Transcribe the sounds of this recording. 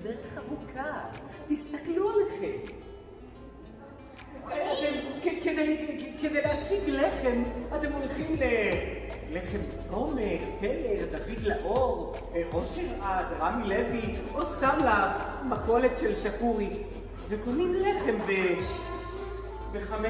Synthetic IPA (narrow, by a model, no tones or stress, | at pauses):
d̪eʁeχamukʰa | t̪ist̪aklualeχem | uχeat̪emkeked̪ejlked̪ejlehasiɡleχe̞mat̪emolχimle | le̞χe̞mt͡someʁpeleʁd̪avid̪laʔoʁ | ʔo̞ʃeʁadʁamileviʔost̪amla | mako̞let̪ʃelʃakuʁi | vekonimleχe̞mve | beχame